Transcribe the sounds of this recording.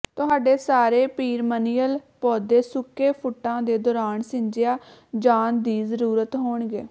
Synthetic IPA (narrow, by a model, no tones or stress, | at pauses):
t̪ʊɦaːɖeːsaːɾeːpiːɾməniːəlpɔːd̪eːsʊkːeːpʰʊʈːãːd̪eːd̪ɔːɾaːnsɪ̃ɲd͡ʒejaːd͡ʒaːnd̪iːzəɾuːɾət̪ɦoːɳɡḛː